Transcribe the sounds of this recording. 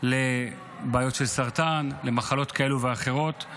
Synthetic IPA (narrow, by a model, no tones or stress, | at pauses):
le | baːjotʃelsaʁt̪anle̞maχalo̞t̪kae̞luveaχe̞ʁo̞t̪